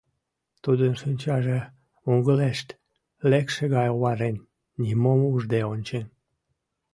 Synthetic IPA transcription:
t̪ud̪ənʃɨnʲt͡ɕɑʒe | uŋɡəleʃt̪ | lekʃeɣɑjowɑɾenːʲ | imomuʒd̪eonʲt͡ɕen

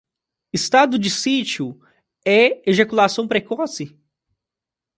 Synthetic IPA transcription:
ɪst̪ad̪ʊd͡ʒɪsit͡ʃiʊ | ɛeʒekulasɐ̃w̃pɾekɔsɪ

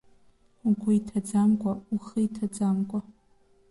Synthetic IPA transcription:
uɡʷuitʰad͡zamkʷʼauχɨjtʰad͡zamkʷʼa

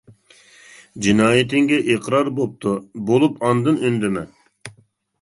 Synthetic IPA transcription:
d͡ʒinɑːjit̪ɪŋɡʲɛʔeqɾɑɾbop̚t̪ʰubolˠupʰɑnd̪ɨnønd̪ɪmɛ

